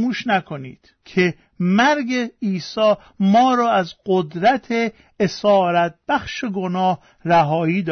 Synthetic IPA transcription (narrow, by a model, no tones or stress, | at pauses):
muːʃnækʰonḭːd̪̥ | kʰe | mæɾɡeiːsɒː | mɒːɾɒːæzɢod̪ɾæt̪ʰe | esɒːɾæt̪̚b̥æxʃeɡonɒːh | ræɦɒːiːd̪